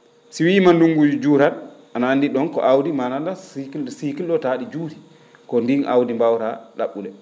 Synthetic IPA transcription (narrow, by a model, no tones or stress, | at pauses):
siwiːmanduŋɡud͡ʒud͡ʒuːɾan | anaandiɗɔnkɔ̰ʔawdimanandasikisikilɗɔtaɗid͡ʒuːɾi̥ | kɔndinʔa̰wdimbawɾaɗa̰ɓːulɛ